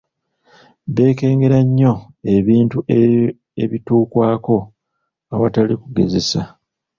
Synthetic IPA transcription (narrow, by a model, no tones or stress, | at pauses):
βe̞ːke̞ːŋɡe̞ɾaɲːo̞ | e̞βiːntue | e̞̰βituːkwaːko̞ | aβatalikuɡe̞ze̞sa